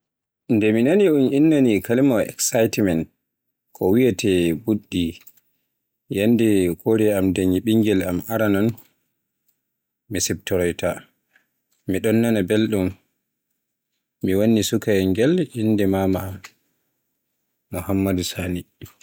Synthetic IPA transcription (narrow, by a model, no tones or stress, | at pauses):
ndɛminaniuninːanikalimawɛ̰ksajtmɛnt | kʰɔwijatʰɛbuɗːi | jandɛkʰoɾɛamdaɲiɓiŋɡɛlamaɾanan | misɛb̚tɔɾɔjta | miɗɔnːanabelɗum | iwanːisukajŋɡɛlinːdɛmama | muhamːadusani